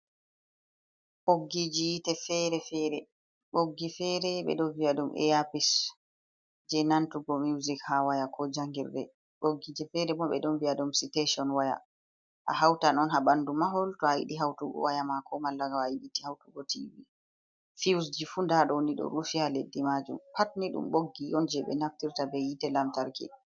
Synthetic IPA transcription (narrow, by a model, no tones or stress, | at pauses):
ʔoɡːid͡ʒijitɛfɛɾɛfɛɾɛ | ɓoɡːifɛɾɛɓɛ̰ɗɔviaɗumʔɛ̰japis | d͡ʒɛnantuɡɔmiwzikhawajakʰɔd͡ʒaŋɡiɾɗɛ̰ | ɓoɡːid͡ʒɛfɛɾɛmɔɓɛ̰ɗɔnbiaɗumsitesɔnwaja̰ | ʔa̰ɦawtanɔnɦabandumaɦɔltɔajḭɗiɦawtuɡɔ̰wajamakʰɔmalːaɡaajiɗitihawtuɡɔtʰḭvi | fiwsd͡ʒifundaɗɔwniɗɔ̰ɾufihaledːimad͡ʒṵmpatniɗṵmɓoɡːiɔnd͡ʒɛɓɛ̰naftiɾtabɛjitɛlamtaɾkɛ̰